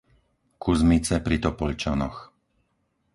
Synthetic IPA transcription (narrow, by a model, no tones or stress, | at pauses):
kuzmit͡sɛpɾit̪ɔpɔʎt͡ʃanɔ̰x